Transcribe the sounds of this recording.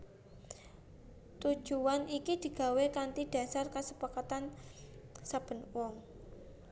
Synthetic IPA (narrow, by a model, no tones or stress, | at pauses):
t̪u̥ʒ̥uwanikid̪̥i̤ɡ̥a̤wekant̪id̥a̤sarkasəpakat̪an | sab̥ə̤nwɔŋ